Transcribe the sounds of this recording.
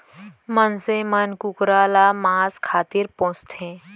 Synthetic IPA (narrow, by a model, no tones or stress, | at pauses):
mənsemənkʊkɾaːlamãːskʰaːt̪iɾpõːst̪ʰẽː